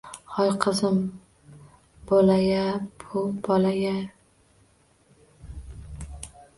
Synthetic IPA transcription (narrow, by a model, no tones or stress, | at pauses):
hɒjqʰɨzɪm | bolajabʊbɒlaja